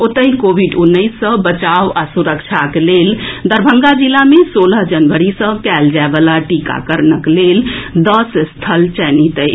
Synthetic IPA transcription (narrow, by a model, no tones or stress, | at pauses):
ot̪əɦikobʱiɖunːəisːə̃bət͡ʃawasuɾək̚t͡ʃʰakeleld̪əɾbʱəŋɡad͡ʒilːamesoləɦd͡ʒənʋəɾisə̃kɛld͡ʒaebəlaʈika̰kəɾnəkleld̪əsst̪ʰəlt͡ʃɛnit̪əj